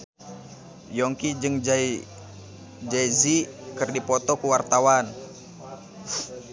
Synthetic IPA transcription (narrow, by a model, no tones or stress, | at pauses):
jɔŋkid͡ʒɨŋd͡ʒai | d͡ʒaizikɨrdipɔt̪ɔkuwart̪awan